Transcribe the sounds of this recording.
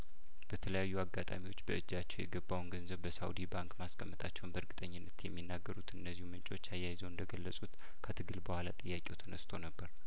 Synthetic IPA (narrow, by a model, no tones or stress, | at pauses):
b̥ət̪ʰələjajːuaɡat̪ʼa̰miwo̞t͡ʃːbəɨd͡ʒːat͡ʃːɛwjɛɡəbːawnɡənzəβbəsa̰wd̪ibaŋkmaskʰəmːət̪ʼʰat͡ʃːɛwnbəɾɡɨt̪ʼəɲːɪnːət̪jɛmːinːaɡːəɾut̪ɨnːəzːihumɨnt͡ʃʼo̞t͡ʃːajːajɪzəwɨnd̪əɡəlːəsʼut̪ | kʰət̪ʰɨɡɨlbəhʷalat̪ʼɨjːakʲʼewt̪ʰənəst̪ʰonəbːəɾ